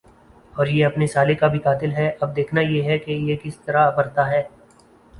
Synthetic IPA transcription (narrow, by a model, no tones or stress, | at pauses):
ɔːɾjeɐpnesaːlekabʱikaːt̪ɪlɦɛʔɐb̚d̪eːkʰnajeɦɛkejekɪst̪ɐɾaɐpəɾt̪aɦɛː